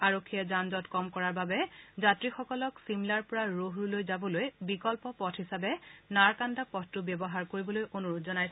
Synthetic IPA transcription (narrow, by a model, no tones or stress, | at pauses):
aɹokʰːijɛzanzɔtkɔmkɔɹaɹbabɛzatɹixɔkɔlɔksimlaɹpʊɹaɹoɦɹulojzabɔlojbikɔlpɔpɔtʰhisabɛnaɹkandapɔttubjɛbɔɦaɹkoɹibɔlojʔonuɹutʰzɔnaj